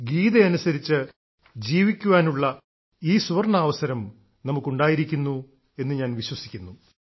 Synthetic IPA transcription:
ɡiːðeɐnusɐɾit͡ɕːɨ | d͡ʑiːʋikʲːuʋaːnuɭːɐ | iːsuʋɐrɳaːʋɐsɐɾɐm | nɐmukːuɳɖaːjiɾikʲːunːu | e̞nːɨɲaːnʋiɕwɐsi̥kʲːunːu

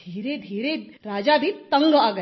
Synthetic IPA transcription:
iːɾed̪ʱiːɾe | ɾaːd͡ʒabʱit̪ɐ̃ŋɡaːɡə

